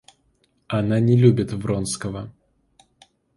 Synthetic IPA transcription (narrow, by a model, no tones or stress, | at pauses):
ɐnanʲɪlʲubʲɪt̪vɾonskəvə